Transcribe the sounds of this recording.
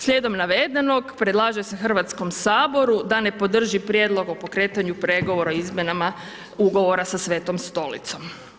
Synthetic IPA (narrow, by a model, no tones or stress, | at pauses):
slʎʲed̪o̞mnaʋed̪eno̞ɡpɾed̪lˠaːʒɛsexr̩ʋat̪sko̞msaːbo̞ɾud̪ane̞po̞d̪r̩ʒipɾjed̪lˠo̞ɡopo̞kɾe̞ːt̪aɲupɾe̞ɡo̞ʋo̞ɾaoizmʲjenama | uɡo̞ʋo̞ɾasasʋeːt̪o̞mst̪o̞lḭt̪so̞m